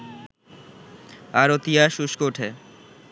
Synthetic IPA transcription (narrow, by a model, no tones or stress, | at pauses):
aɾot̪ijaʃuʃkoʈʰe